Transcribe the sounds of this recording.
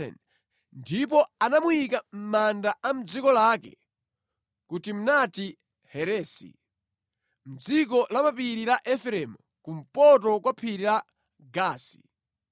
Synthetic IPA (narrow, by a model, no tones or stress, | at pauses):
ɛ̰n | ndip̬ɔanamuikam̩mandaʔam̩d͡zikɔlakɛ̰ | kutim̩nati | hɛɾɛːsḭ | m̩d͡zik̬ɔlamapiɾilaʔɛfɾɛmu | kum̩pɔt̬ɔkwapʰiɾila | ɡaːsi̥̰